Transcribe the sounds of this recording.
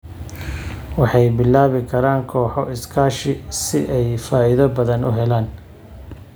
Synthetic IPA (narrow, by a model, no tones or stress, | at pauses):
wɑħɑjbɪlːaːβɪkʰɐɾaːŋkʰɔːħɔɪskʰaːʃɪsɪʔɛjfaːɪðɐbɐðɐnʊ̰ɦɛlaːn